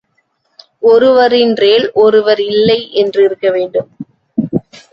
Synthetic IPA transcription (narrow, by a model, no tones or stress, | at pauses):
ʔɔɾɯʋɐɾɪnreːlʔɔɾɯʋɐɾɪlːɐɪʔɛndrɯɪɾɯkːɐʋeːɳɖɯm